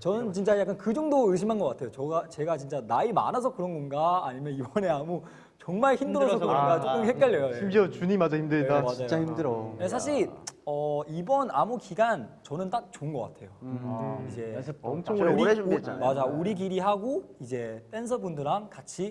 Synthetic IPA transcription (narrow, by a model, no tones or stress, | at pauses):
t͡ɕʌnɯnt͡ɕint͡ɕ͈ajak͈ankɯd͡ʑoŋdoɯɕ̬ʰimɦanɡʌk͈atʰe̞jot͡ɕʌɡat͡ɕe̞ɡat͡ɕint͡ɕ͈anaima̰nʌs̬ʰʌkɯɾʌnɡʌnɡaːɲimjʌnibʌne̞amu | t͡ɕʌŋmaɭçimdɯɾʌsʰkɯʌnɡat͡ɕ͈okkɯmhek͈̚jaʎːejoimʌt͡ɕuɲimad͡ʑaçimdɯamid͡ʑajt͡ɕaimdɯɾesʰaɕ̬ʰiɭʌibʌnamukiɡant͡ɕʌnɯnt͈ak̚t͡ɕoɯnɡʌk͈a̰tʰe̞jo | id͡ʑe̞ | ɾmad͡ʑauɾiɡiɾiɦaɡoid͡ʑe̞t͈e̞ns̬ʰʌbundɯɾankat͡ɕʰi